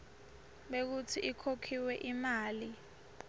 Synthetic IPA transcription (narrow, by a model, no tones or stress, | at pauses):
ɓek̬utʰiʔikʰokʰiwɛʔimaːli